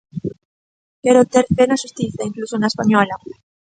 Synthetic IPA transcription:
keɾot̪eɾfenaʃust̪iθaiŋklusonaespaɲɔla

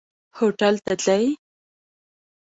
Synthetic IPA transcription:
hoʈalt̪at̪laj

